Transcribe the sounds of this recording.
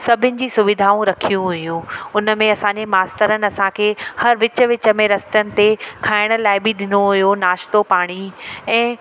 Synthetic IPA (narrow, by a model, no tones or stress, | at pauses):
sɐbʱɪnɪ̆d͡ʑiːsʊʋɪd̪ʱaːũɾɐkʰijũɦʊjũʊnəmẽɐsãɲd͡ʑemaːst̪əɾənɪ̆ɐsãkʰeːhɐɾʋɪt͡ɕə̆ʋɪt͡ɕə̆mẽɾɐst̪jənɪ̆t̪ekʰaːɪɽ̃ə̆laːɪbiɗɪnoɦʊjonaːʃt̪opaːɽ̃iɛ̃ː